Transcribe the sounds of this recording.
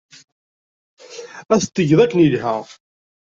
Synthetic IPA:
æst̪ːəʝðˤækːənilhə

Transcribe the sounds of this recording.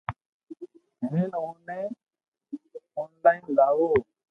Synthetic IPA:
ɦeːnõːnẽː | ɔːnlaːind̪aːʋoː

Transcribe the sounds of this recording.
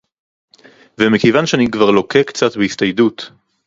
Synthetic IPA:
vemekejvanʃeanikvaʁlo̞kekt͡satbeistajdut

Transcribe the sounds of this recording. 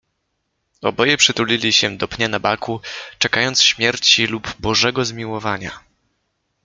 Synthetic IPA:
ɔ̰bɔjɛpʂɘt̪ulʲilʲiɕɛd̪ɔpɲanabakut͡ʂɛkajɔnt̪sɕmʲjɛɾt͡ɕilubbɔʐɛɡɔzmʲiwɔvaɲa̰

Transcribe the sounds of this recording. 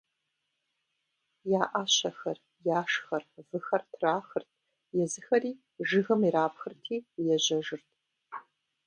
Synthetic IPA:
jaːʔaɕɐxɐr | jaːʂxɐrvɨxɐrtʰraːxɨrtʰʼ | jɛzɨxɐriː | ʐɨɣɐmiɾaːpʰxɨrtʰiːjɛʑɐʐɨrtʰʼ

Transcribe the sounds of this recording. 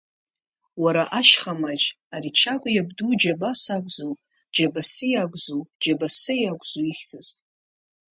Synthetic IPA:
waɾaʔaʃχamad͡ʒ | aɾit͡ʃʰakʷʼajabdud͡ʒabasaɡʷzow | d͡ʒabasɨjaɡʷʼzowd͡ʒabasɨjaɡʷʼzoiχʲd͡zʰʼɨztʼ

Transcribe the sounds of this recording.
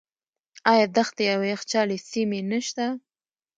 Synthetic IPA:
ɑjɑd̪axt̪ejawext͡ʃɑlesimenəʃt̪a

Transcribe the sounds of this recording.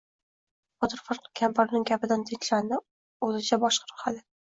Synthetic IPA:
bɒt̪ɾfɑɾqkʲʰampaɾnɪŋɡʲapɪd̪ant̪ʰeŋt͡ʃlanɪ | ozɪt͡ʃʰabɒʃqʰɑɾʊχad̪ɪ

